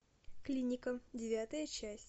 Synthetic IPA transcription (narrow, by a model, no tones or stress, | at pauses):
klʲinʲɪkədʲɪvʲat̪əjət͡ɕæsʲtʲ